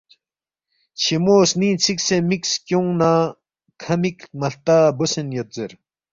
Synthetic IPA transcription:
t͡ɕʰimoːsniːt͡sʰik̚semikskʲjoŋna | kʰamikmɐɬt̪abosənjot̪̚zeɾ

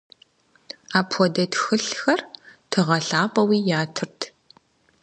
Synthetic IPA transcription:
aːpʰɔdɐtxɨɬxɐrtʰɨʁɐɬaːpʼɐwiːjaːtʰɨrtʰ

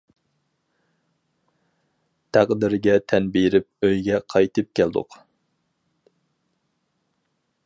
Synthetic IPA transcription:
t̪ʰæqd̪ɪɾɡʲɛt̪ʰɛnbiɾɪp̚øjɡʲɛqʰɑjt̪ʰɨp̚kʲæld̪ʊ̰q

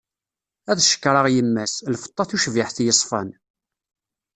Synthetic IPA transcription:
æðʃə̥kːɾˤɑʁjəmːæslfə̥t̪ˤːɑθuʃviħθjəsˤfɑ̰n

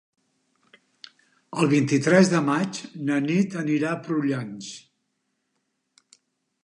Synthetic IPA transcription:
əlˠβ̞int̪it̪ɾɛzðəmat͡ʃnənit̪əniɾapɾuʎans

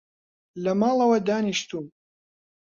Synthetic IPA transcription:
lɐmaːlˠɐwɐd̪aːniʃt̪ʰuːm

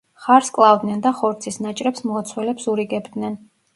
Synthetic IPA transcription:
χaɾskʼlˠavd̪nɛnd̪aχɔɾt̪sʰisnat͡ʃʼɾɛpsmɔːt̪sʰwɛlɛpsuɾiɡɛbd̪nɛn

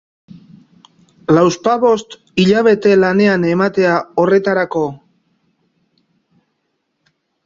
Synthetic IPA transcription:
lawspaβo̞st̪ | iʎaβ̞e̞t̪e̞lane̞ane̞mat̪e̞ao̞re̞t̪aɾako̞

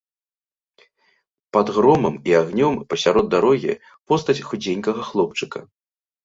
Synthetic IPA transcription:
pad̪ɣɾɔmɐmiaɣnʲɔmpɐsʲaɾɔd̪d̪aɾɔɣʲḭ | pɔst̪ɐt͡sʲxud͡zʲenʲkɐɣɐxlˠɔp̚t͡ʂɨkɐ

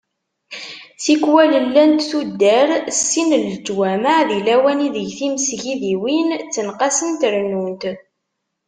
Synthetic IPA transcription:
θikwæləlːænt̪θud̪ːəɾsːinələd͡ʒwæmaʕðilæwæniðəʝθiməsʝiðiwint͡sːənqɑsənt̪ɾnunt̪

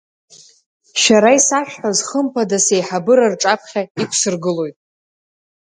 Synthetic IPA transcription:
ʃaɾaisaʃᶣħazχəmpʰadasejħabɨɾarʈ͡ʂʼapʰχʲaikʷʰsɨrɡɨlo̞jtʼ

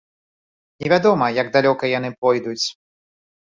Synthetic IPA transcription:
nʲɛvʲad̪ɔmɐjɐɡd̪alʲɔkɐjanɨpɔjd̪ut͡sʲ

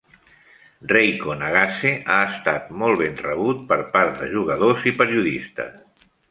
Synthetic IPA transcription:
rejkonaɣaseʔaəst̪at̪mɔlˠβenrəβ̞ut̪̚pəɾpaɾt̪d̪əʒuɣəðozipəɾiuðist̪ə̰

